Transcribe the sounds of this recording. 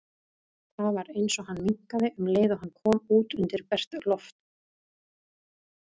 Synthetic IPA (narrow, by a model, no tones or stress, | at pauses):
θaðvaɾejnsɔɦanːmiŋ̥kaðɪʔʏmleːjðʏɦanːkʰɔːmuːt̪ʏnt̪ɪɾpɛr̥t̪lɔft̪